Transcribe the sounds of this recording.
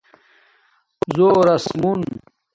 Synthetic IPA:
zoːɾɐsmun

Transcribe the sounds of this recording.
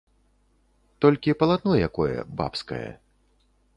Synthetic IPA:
t̪ɔlʲkʲipɐlˠad̪̚nɔjjakɔjɐ̰ba̰pskɐ̰jɐ̰

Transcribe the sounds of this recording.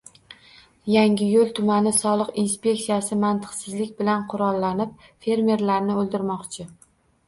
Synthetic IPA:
jaŋʲɪjolˠt̪ʰʊmanɪsɒlˠɨqinspʲe̞k̚ʲtsijasɪmant̪ʰɨ̥qsɪzlɪk̚ʲbɪlanqʰʊɾɒlˠːanɪp̚fe̞ɾme̞ɾlaɾnɪolˠd̪ɪɾmɒqt͡ʃʰɪ

